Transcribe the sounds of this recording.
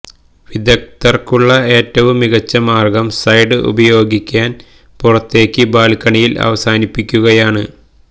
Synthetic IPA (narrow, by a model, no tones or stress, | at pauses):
ʋid̪jɐk̚t̪ɐrkuɭːɐe̞ːtːɐʋumːiɣɐt͡ɕːɐmaːrɡɐmsɐjɖɨʔṵbɐjo̞ːɡikʲːaːn | purɐt̪ːe̞ːkʲːɨbaːlkːɐɳijilɐ̰ʋɐsaːnipːikʲːuɣɐjaːɳɨ